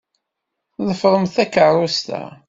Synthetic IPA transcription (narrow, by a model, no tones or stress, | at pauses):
ðˤəfɾˤəmθækərˤːʊst̪æ̰